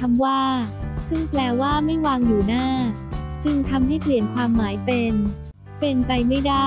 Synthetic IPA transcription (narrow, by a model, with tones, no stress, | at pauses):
a˧mwaː˥˩sɯ˥˩ŋplɛː˧waː˥˩ma˥˩jwaː˧ŋjuː˨˩naː˥˩ | t͡ɕɯ˧ŋt̪ʰa˧mha˥˩jpʰli˨˩ənkʰwaː˧mːaː˩˦jpe˧n | pe˧npa˧jma˥˩jdaː˥˩